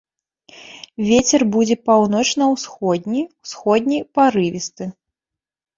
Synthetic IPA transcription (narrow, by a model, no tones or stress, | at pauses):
vʲet͡sʲɛrbud͡zʲɛpawnɔt͡ʂnɐwsxɔd̪̚ʲnʲiwsxɔd̪ʲnʲijpaɾɨvʲist̪ɨ